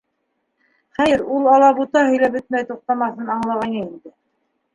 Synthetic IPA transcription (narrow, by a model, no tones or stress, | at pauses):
χæjɘɾulˠɑlˠɑbut̪ɑhɵ̆jlæbɵ̆t̪̚mæjt̪uq̚t̪ɑmɑθɤnɑɴlˠɑʁɑjnɤind̪ɘ